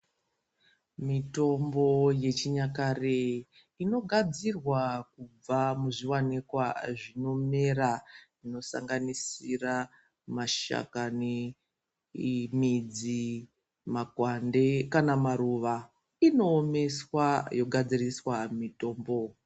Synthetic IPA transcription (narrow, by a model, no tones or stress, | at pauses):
mito̞mbo̞je̞t͡ʃiɲakare | ino̞ɡʱad͡zirwakub͡vamuʐiwanekwaʐino̞me̞ɾaʐino̞sa̰ŋɡanisira | maʃa̰kane | mid͡zi | makwandekanamaɾuʋa | ino̞ːme̞swajo̞ɡʱad͡ziriswamito̞ːmbo̞